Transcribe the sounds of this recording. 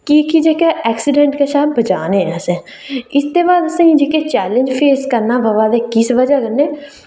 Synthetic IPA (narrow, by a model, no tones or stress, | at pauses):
kikid͡ʒeːkeʔɛːksɪɖɛ̃ɳʈkaʃaːɦbbəd͡ʒaːnẽːɛːsẽ | ɪst̪ebaːd̪əsə̃ĩd͡ʒeket͡ʃɛːlẽnd͡ʒpʰeːskəɾnaːbəʋaːd̪ekɪsʋəd͡ʒakəɾneː